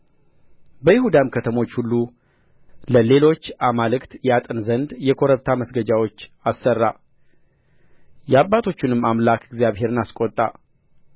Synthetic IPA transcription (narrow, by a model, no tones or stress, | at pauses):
bəjɪhud̪amkʰət̪ʰəmo̞t͡ʃːhulːu | ləle̞lo̞t͡ʃːamalɨkt̪jɛat̪ʼɨnzənd̪jɛkʰo̞ɾəβt̪ʰaməsɡəd͡ʒawo̞t͡ʃːasːərːa | jɛabːat̪ʰo̞t͡ʃːunɨmːamlakʰɨɡzjaβhe̞ɾɨnaskʼot̪ʼːa̰